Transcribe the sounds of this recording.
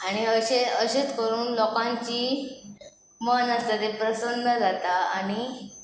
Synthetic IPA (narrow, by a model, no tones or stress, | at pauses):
aɽ̃iəɕeəɕet͡skəɾuːnlɔkãɲt͡ɕiː | mənast̪at̪epɾəsənəd͡zat̪aːɽ̃i